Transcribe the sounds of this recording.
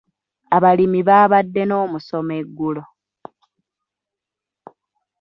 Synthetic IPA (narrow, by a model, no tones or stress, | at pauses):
aβalimiβaːβadːe̞no̞ːmuso̞me̞ɡːulo̞